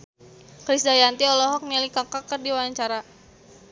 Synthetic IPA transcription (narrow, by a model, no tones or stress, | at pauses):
kɾisdajant̪iɔlɔɦɔk̚nilikakakərdiwawaɲt͡ʃaɾa